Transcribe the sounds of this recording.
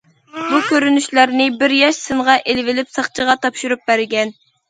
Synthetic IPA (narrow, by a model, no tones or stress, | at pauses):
bukʲʰøɾynyʃlæɾnɪbɪɾjɑʃsɨɴʁɑʔelvɪlɪpsɑχt͡ʃʰəʁɑt̪ʰɑpʃuɾup̚bæɾɡʲɛn